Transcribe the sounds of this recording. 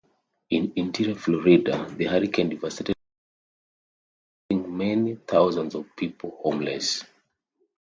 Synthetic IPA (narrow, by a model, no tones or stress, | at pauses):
ĩnĩntʰiɹiaflɔɹidaðɨhaɹikʰɛ̃ndivasiti | ĩŋmɛniθaʊzãndzɔv̥pʰiplhõmlɛ̰s